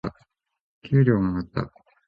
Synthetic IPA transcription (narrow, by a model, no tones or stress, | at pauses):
a | kʲɨːɾʲo̞ːmoat̪ːa̰